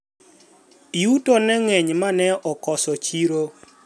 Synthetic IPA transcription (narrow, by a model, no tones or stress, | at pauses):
iutonɛŋɛɲmanɛɔkɔsɔt͡ʃiɾo